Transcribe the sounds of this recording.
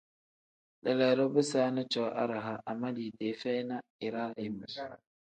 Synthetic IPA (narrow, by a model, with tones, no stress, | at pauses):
ɗɛ˨lɛ˨ɾɔ˦bɪ˦saː˦nɪ˦t͡ʃɔː˨˦ʔa̰˦ɾa˨ɦa˨ʔa˨ma˦diː˨deː˨˦fɛ˦jna˦ɪ˨ɾa˦ɪ˦b